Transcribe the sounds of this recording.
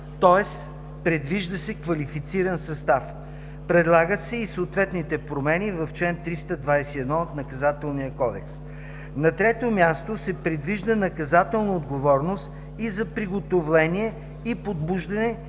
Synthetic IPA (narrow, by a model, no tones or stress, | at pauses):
t̪ɔɛs | pɾɛd̪viʒd̪əsɛkvɐlifit̪siɾɐnsɐst̪af | pɾɛd̪lˠaɡət̪sɛisoːt̪vɛt̪nit̪ɛpɾomɛnivɐft͡ʃlɛnt̪ːɾist̪əd̪vajsiɛd̪nɔot̪nɐkɐzat̪ɛlˠnijəkɔd̪ɛks | nɐt̪ɾɛt̪omʲjast̪osɛpɾɛd̪viʒd̪ənɐkɐzat̪ɛlˠnɐod̪ɡovɔɾnost̪ | izɐpɾiɡot̪ovlɛnʲiɛ | ipod̪̚buʒd̪ɐnɛ